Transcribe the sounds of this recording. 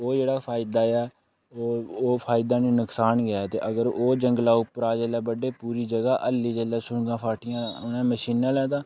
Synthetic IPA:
oːd͡ʒeːɽaːpʰaːɪd̪aːɛː | oːoːpʰaːɪd̪aːneːnʊksaːnɡɪjaːt̪ḛːʔəɡəɾoːd͡ʒəŋɡlaːʊpːɾaːd͡ʒelɛːbəɖeːpuːɾiːd͡ʒəɡaːʔəlːiːd͡ʒəlɛːsʊɳɡãːpʰaːʈɪjãːʊnɛ̃ːməʃiːnãːlɛːt̪aː

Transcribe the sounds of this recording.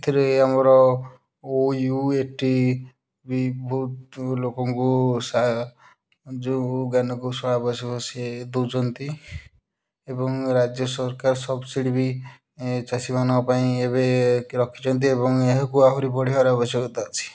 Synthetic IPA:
t̪ʰiɾeamɔɾɔ | ojueʈi | bibʱut̪lokɔŋkusa | d͡ʒuɡanɔkusɔɭabɔsikɔsied̪ut͡ʃɔnt̪i | ebɔŋɾad͡ʒjɔsɔɾkaɾɔsɔbsiɽibi | t͡ʃasimanɔɔpaĩebeɾɔkʰi̥t͡ʃɔnt̪̬iebɔŋeɦɔkuaɦuɾipɔɽiɦɔɾeɔbɔsɔɡɔt̪at͡ʃʰi̥

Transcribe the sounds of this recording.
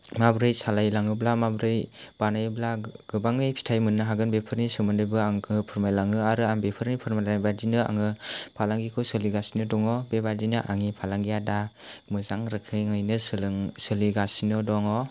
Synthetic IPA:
mabɾɯjsalajlaŋɯblamabɾɯj | b̥anajblaɡɯbaŋɯjpʰi̥tʰajmɯnːɯɦaɡɯnbepʰɯɾnisɯmɯndɯjbɯaŋkʰɯpʰɯɾmajlaŋɯaɾɯambepʰɯɾnipʰɯɾmalabadinɯa̰ŋɯpʰalaŋɡikʰɯwsɯliɡasinɯdɔŋɔbebadinɯʔa̰ŋipʰalaŋɡijada | mɯzaŋɾɯkʰɯjŋɯjnɯsɯlŋsɯliɡasinɔdɔŋɔ

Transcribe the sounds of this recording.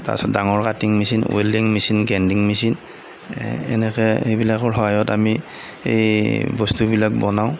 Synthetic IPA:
ta̰ɹsɔt̚daŋɔɹkatiŋmisinweliŋmisinɡɛndiŋmisin | ɛ̰nɛkɛejbilakɔɹɦɔɦajɔtami | ḛjbɔstubilak̚bɔnaʊ̃

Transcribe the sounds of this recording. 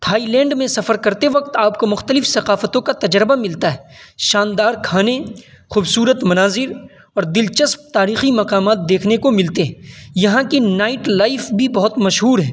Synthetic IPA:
t̪ʰaːilɛ̃ːɳɖmẽsɐfəɾkɐɾt̪eʋɐq̚t̪aːpkomʊxt̪əlɪfsɐqaːfət̪õkat̪ɐd͡ʒɾbamɪlt̪aɦɛːʃaːnd̪aːɾkʰaːne | xuːbsuːɾət̪mɐnaːzɪɾ | ɔːɾd̪ɪlt͡ʃəsp̚t̪aːɾiːximɐqaːmaːt̪̚d̪eːkʰnekomɪlt̪eɦɛ̃jɐɦãkinaːɪʈlaːɪfbʱibɐɦʊt̪mɐʃɦuːɾɦɛː

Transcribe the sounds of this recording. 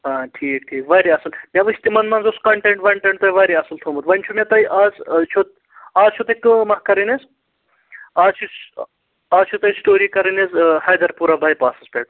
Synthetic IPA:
aːʈʰiːk̚ʈʰiːkʋɐɾiɐsɨlmʲɐʋɨsʲt̪imɐnmɐːnzoskɐɳʈeɳʈʋɐɳʈeɳʈ̚t̪ɐjʋɐːɾiɐsɨlt̪ʰoːmbut̪ʋɐnʲt͡ʃʰumʲet̪ɐjʔaːzt͡ʃʰot̪̚ | aːzt͡ʃʰot̪ɐkɨmɐɦkɐɾinez | aːzt͡ʃʰus | aːzt͡ʃʰut̪ɐjsʈoːɾikɐɾinezhɐjd̪ɐɾpuːɾabɐːjpaːsɐspʲeːʈ

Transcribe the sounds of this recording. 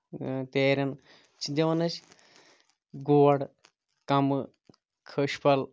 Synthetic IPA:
t̪eːɾʲɐn | t͡ʃʰid̪ʲɐʋɐnɐt͡ʃ | ɡuːɐɽ | kɐmɨ | kʰəʃpʰɐl

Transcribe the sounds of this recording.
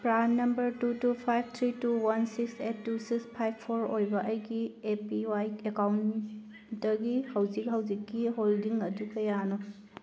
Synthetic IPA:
pɾanːɐmbɐɾtutupʰajb̚ʰʱt̪ʰɾituwansiksetːusikspʰajb̚pʰoɾojbɐʔɐjɡiepiwajkekawn | tɐɡihɐwd͡ʒik̚hɐwd͡ʒikːiɦoldiŋɐdukɐjano

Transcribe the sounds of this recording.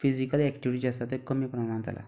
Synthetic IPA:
fizikəlɛkʈiʋ̤iʈid͡ʑast̪at̪ekəmiːpənanãnt̪a̰la̰

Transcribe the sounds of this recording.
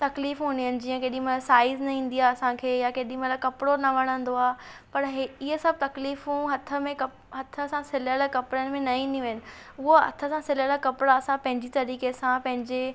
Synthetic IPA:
t̪ɐkliːfɦũːniɦənɪ̆d͡ʑiːə̃keːɗĩmɐasaːɪznɐĩːn̆d̪iaɐsãkʰeːjakeːɗĩmɐt̪lakɐpɪɽonɐʋɐɽ̃ə̃nd̪oaːpɐɾɦɪɦəsɐb̚ʱt̪ɐkliːfɦũːɦɐt̪ʰə̆mẽkɐ | ɦɐt̪ʰə̆sãsɪləlkɐpɪɽənɪ̆mẽnɐĩːn̆d̪iʋɐɦnɪ̆ | ʊɦoɐ̰t̪ʰə̆sãsɪləlakɐpɪɽaɐsãpɐ̃ɦɪ̃ɲd͡ʑit̪ɐɾiːkesãpɐ̃ɦɪ̃ɲd͡ʑe

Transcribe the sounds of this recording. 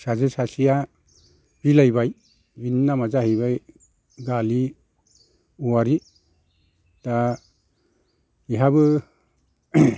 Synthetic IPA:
sazɯsasija | bilajbaj | binːamazahijβaj | ɡali | uwaɾi | ta | iɦabɯ

